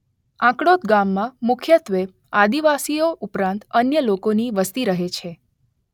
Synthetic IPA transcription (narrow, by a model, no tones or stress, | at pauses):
ãkɽot̪ɡamːãmʊkʰjət̪ʋe | ad̪iʋasioʔupɾãnt̪ənjəlokoniʋəst̪iɾəɦet͡ʃʰe